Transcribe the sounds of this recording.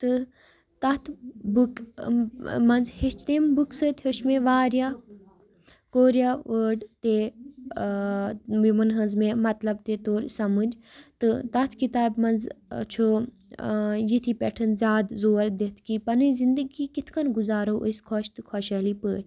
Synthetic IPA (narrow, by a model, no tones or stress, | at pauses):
t̪ɨ | t̪ɐt̪ʰbuk | mɐnzheʃt͡ʃt̪embuksɨt̪heʃmẽʋaːɾjaː | koːɾjaːʋəːɖt̪e | imɐnɦɐnzmẽmɐt̪lɐb̚t̪et̪oːɾsɐmɨd͡ʒt̪ɨt̪ɐt̪ʰkit̪aːbmɐnzt͡ʃʰo | jit̪ʰipʲɛʈʰɨnzʲaːd̪zoːɾd̪et̪ʰkipɐnɨzind̪əɡiːkit̪ʰkʰɐnɡuzaːɾoːʔuskʰɔːʃt̪ɨkʰɔːʃɐːliːpəːɾ